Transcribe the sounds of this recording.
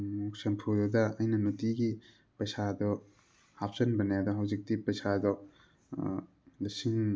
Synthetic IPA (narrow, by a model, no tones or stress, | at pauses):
muk̚sempʰudɐdɐɐjnɐnutiɡi | pɐjsadɔ | hap̚zɐnbɐnjadɐɦawzik̚dipɐjsʰadɔ | lɐsiŋ